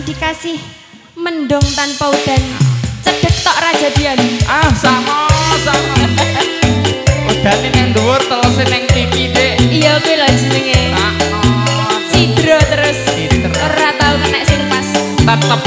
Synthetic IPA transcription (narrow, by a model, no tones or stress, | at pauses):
d̪̥ikasɪh | mənɖɔŋt̪anpaud̪̥a̤nt͡ʃəd̥ə̤k̚t̪ɔʔrḁd͡ʒ̥a̤d̪̥ianasamasama | ud̪̥a̤nenɛŋnd̪uwʊrt̪əlɔsenɪŋt̪itkid̪eʔijakuelɔ̥d͡ʒ̥i̤nəŋea | sid̪̥ɾɔt̪əɾʊsidɾɾat̪aʊnkənɛʔsumpas | t̪at̪ə